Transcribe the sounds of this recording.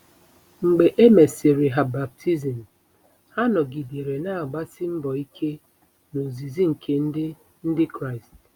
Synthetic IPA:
ŋ͡m̩˨ɡ͡be˨ʔe˦me˨si˨ɾɪ˨ɦa˨ba˨p̚tʰi˦zi˨m̩˨ | ha˦nɔ˨ɡi˨de˨ɾe˨na˦a˨ɡ͡ba˦sɪ˦m̩˦bɔ˨i˦kʰe˦ | no˨zi˨zi˦ŋ̩˨kʰe˦n̩˦dɪ˦ | n̩˦dɪ˦kɾa˦ɪ˨st

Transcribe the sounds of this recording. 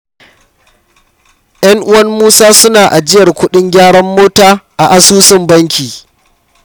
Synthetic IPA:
j̰ʔɐ˦ŋʔʊ˦wɐ˦rmuː˦saː˦sʊ˦naː˨ʔa˨d͡ʒɪ˦jɐ˨rkʷʊ˦ɗɪ˦ŋɡʲaː˦ɽɐ˦mːoː˦taː˦ʔa˨ʔa˨suː˦sɪ˦mbɐ˦ŋkʲiː˨

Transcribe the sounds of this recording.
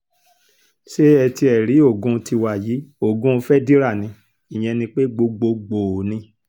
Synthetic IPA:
ʃe˦ɛ˧ti˧ɛ˨ɾi˨˦o˦˨ɡũ˧ti˧wa˨ji˨˦o˦˨ɡũ˦˧fɛ˦di˦ɾa˦˨nĩ˧ | i˨j̃ɛ̃˧nĩ˧k͡pe˦ɡ͡bo˧ɡ͡bo˧ɡ͡bo˨nĩ˧

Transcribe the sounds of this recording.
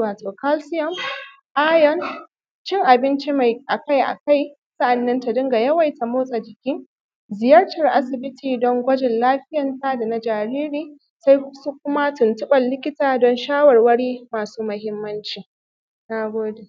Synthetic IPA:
waː˨toː˨ka˦lsɪ˦jɔ˨m | ʔaː˦jn | t͡ʃɪ˦ŋʔa˨bɪ˦nt͡ʃi˦ma˨jʔa˨ka˦jʔa̰˨ka˦j | sɐ˦ʔa˨nːɐ˦nta˨dʊ˦ŋɡa˨jɐ˦wa˨jta˨moː˦sʼa˨d͡ʒɪ˨kʲɪ˦ŋ | zɪ˨jɐ˦rtɐ˨rʔa˦sɪ˨bɪ˦tʰiː˨dɔ˦ŋɡʷɐ˦d͡ʒɪ˨nlaː˦ɸɪ˦jɐ˨nta˦da˨na˨˦d͡ʒaː˨ɾiː˦ɾiː˦ | sa˦jsu˦kʷʊ˦ma˦tʊ˨ntʊ˦ɓɐ˨nːɪ˦kʲɪ˦taː˨dɔ˦nʃaː˦wɐ˨rwɐ˦ɽiː˦maː˨suː˦mɐ˨ɦɪ˦mːɐ˦nt͡ʃiː˨ | na˨ɡʷoː˦de˨

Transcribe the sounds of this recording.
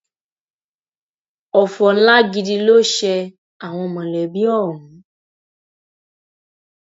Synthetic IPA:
ɔ˨fɔ˨n̩˦la˦ɡi˧di˧lo˦ʃɛ˧ | a˨w̃ɔ̃˧mã˨lɛ˨bi˦ɔ˦˨ɾũ˨˦

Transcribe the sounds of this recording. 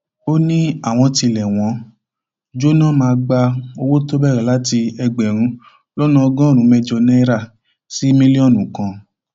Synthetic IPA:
o˦nĩ˦a˦˨w̃ɔ̃˧ti˧lɛ˨w̃ɔ̃˧˦ | d͡ʒo˦nã˦˨mãː˧ɡ͡ba˧o˧wo˦to˦bɛ˦˨ɾɛ˨la˦ti˧ɛ˧ɡ͡bɛ˨ɾ̃ũ˨˦ | lɔ˦nã˦ɔ˧ɡɔ̃˦˨ɾ̃ũ˨˦mɛ˦d͡ʒɔ˧nɛ̃˦ɾa˦˨ | si˦mĩ˦li˦ɔ˦˨nũ˨kã˧

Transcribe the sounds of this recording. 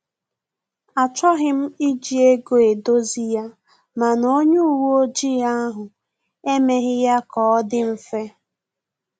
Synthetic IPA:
a˨t͡ʃɔ˦ɣɪ˦m̩˦i˦d͡ʒi˨e˦ɡo˨e˨do˦zi˦ja˦ | ma˨no˦ɲu˦u˦˨wu˦o˦d͡ʒi˦a˦ɦʊ˨ | e˦me˦ɦɪ˦ja˦kɔ˨ɔ˦dɪ˦m̩˦fe˦

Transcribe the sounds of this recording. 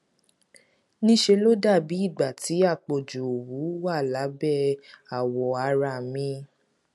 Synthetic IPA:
nĩ˦ʃe˧lo˦da˦˨bi˨˦i˦˨ɡ͡ba˨tʰi˨˦a˦˨k͡po˨d͡ʒu˨o˨wu˨˦wa˦˨la˨˦bɛ˦˨a˨wɔ˨a˧ɾa˧˨mĩ˧˦

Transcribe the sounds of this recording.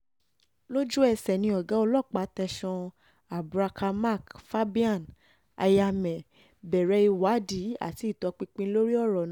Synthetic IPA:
lo˦d͡ʒu˦ɛ˧sɛ˨nĩ˧ɔ˨ɡã˨˦ɔ˧lɔ˦˨k͡pa˨˦tɛ˧ʃɔ̃˧ | a˨bɾa˧kʰa˧ma˦˨kfa˦bi˦a˦˨n | a̰˧ja˧mɛ̃˨ | bɛ˨ɾɛ˨˧i˧wa˨˦di˨˦a̰˦˨ti˧˦i˦˨tɔ˨˧˦k͡pĩ˧k͡pĩ˧˦lo˦ɾi˦ɔ˦˨ɾɔ˨ñ˨˦

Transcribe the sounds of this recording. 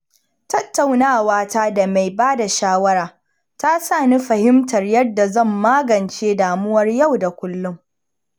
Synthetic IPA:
tɐ˦tːa˨wnaː˦˨waː˦taː˦da˨ma˨jbaː˦da˨ʃaː˦wɐ˦ɾaː˨ | ta˦saː˦˨niː˦ɸɐ˨hɪ˦mtɐ˨rjɐ˦dːa˨zɐ˦˨mːaː˦ɡɐ˨nt͡ʃeː˦daː˨mʊ˦wɐ˦rjɐ˦˨wda˨kʷʊ˦lːʊ˦ŋ

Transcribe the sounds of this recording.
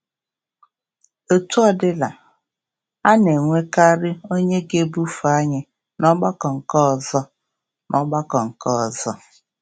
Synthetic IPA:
o˦tu˦ɔ˦dɪ˦la˨ | a˦ne˨ŋʷe˦ka˦ɾɪ˦o˦ɲe˦ɡe˦bu˦fu˨a˦ɲɪ˨ | nɔ˦ɡ͡ba˦kɔ˨ŋ̩˨kɔ˦˨zɔ˦ | nʔɔ˦ɡ͡ba˦kɔ˨ŋ̩˨kɔ˦˨zɔ˦

